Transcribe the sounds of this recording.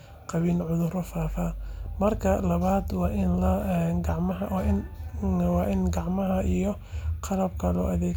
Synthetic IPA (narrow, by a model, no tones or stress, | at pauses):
qɑβiːlʕʊðʊɾɔfaːfɐmɐrkʰɐlɐβaːd̪wɑːʔɪnlɐnɡɑʕmɐɦɐɪn | wɑːʔɪnɡɑʕmɐɦɐʔijɔ | qʰɑlɐbkʰɐlɔ̰ːʔɐðɛː